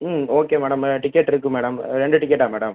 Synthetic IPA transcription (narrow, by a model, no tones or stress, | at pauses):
oːkːeːmɛːɽɐmʈɪkːeʈːɪɾɯkːɯmɛːɽɐmɾɛɳɖɯʈɪkːeʈːaːmɛːɽɐm